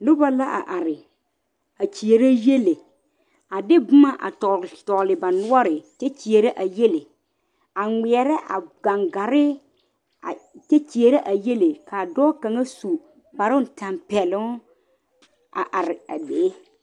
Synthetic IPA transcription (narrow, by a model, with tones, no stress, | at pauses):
nʊ˦ba˦la˦ʔa̰˨ʔa˨ɾɪ˨ | a˨t͡ʃi˨e˨ɾe˦je˦le˨ | a˨dɪ˦bʊ˦ma˦ʔa̰˨tɔ˨tɔ˨lɪ˨ba˨nʊ˦ɔ˦ɾɪ˨te˦t͡ʃi˨e˨ɾe˦ʔa˨je˦le˨ | a˨ŋɪ˨ɛ˨ɾɛ˦ʔa̰˨ɡa˨ŋɡa˨ɾɪ˦ | a˨te˦t͡ʃi˨e˨ɾe˦ʔa˨je˦le˨kʰa˨dɔː˦ka˨ŋa˦su˨ | ba˨ɾʊ˦˨ta˨mpɛ˨lʊ˦ŋ˦ | a̰˨ʔa˨ɾɪ˨a˨beː˨˦